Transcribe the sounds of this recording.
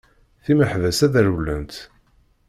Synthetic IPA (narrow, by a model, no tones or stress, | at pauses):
θiməħvæsæðæɾulːənt̪